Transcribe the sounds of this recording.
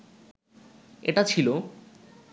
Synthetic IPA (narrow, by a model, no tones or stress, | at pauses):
ḛʈat͡ɕʰilo